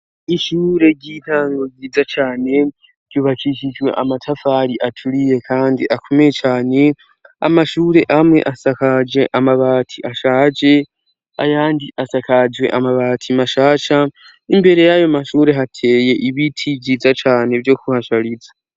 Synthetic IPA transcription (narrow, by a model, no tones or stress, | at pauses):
iʃuːɾe̞ɟitʰaːŋɡo̞ɡiːd͡zat͡ʃaːne̞ | ɟ̥uβakiʃid͡ʒwe̞̰ʔamatʰafaːɾiʔatʰuɾije̞kʰaːndiʔakʰo̞mejet͡ʃaːne̞ | a̰maʃuːɾe̞ʔamwe̞̰ʔasakad͡ʒe̞ʔamaβaːtʰiʔaʃaːt͡ʃe̞ | a̰jaːndiʔasakad͡ʒwe̞̰ʔamaβaːtʰimaʃaːʃa | imbe̞ɾe̞jajomaʃuːɾe̞ɦatʰe̞je̞ʔiβitʰivɟiːzat͡ʃaːne̞vjo̞kuhaʃaɾid͡zḁ